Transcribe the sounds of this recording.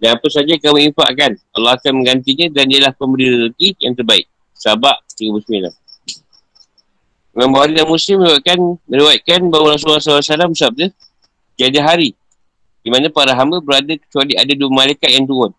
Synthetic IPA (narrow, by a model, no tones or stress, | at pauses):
danapəsad͡ʒakamuifa̰ʔkana̰lːɑɦakanmə̃ŋɡant̪iɲadaniəlahpəmbəɾiɾəɾukijaŋt̪ərbaɪ̰k̚ | sabaʔt̪iəmusminla̰ | ŋambawaɾilamusɪməɾiwaʔ̪̚kanmə̃ɾiwaʔ̪̚kanbawaɾas̬ulasalasalambəsap̚də | t̪iad͡ʒaɦaɾi | dimanãpaɾaɦambabəɾadakə̥t͡ʃualiadaduamalajkat̪̚jaŋt̪̬uʊn